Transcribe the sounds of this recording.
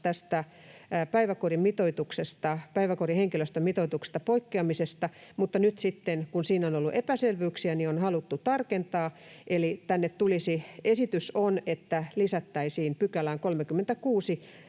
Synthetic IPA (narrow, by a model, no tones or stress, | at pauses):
t̪æst̪æ | pæiʋækorimmit̪oit̪uksest̪ɑpæiʋækoriheŋkiløst̪ømit̪oit̪ukse̥st̪ɑpoikːeɑmisest̪ɑmut̪ːɑnyt̪sit̪ːenkunsiːnonolːuʔepæselʋyksiænionhɑlut̪ːut̪ɑrkent̪ɑː | ʔelit̪ænːet̪t̪ulisiesit̪ysonet̪ːælisæt̪ːæisiːnpykælæːŋkolmekymːent̪ækuːsi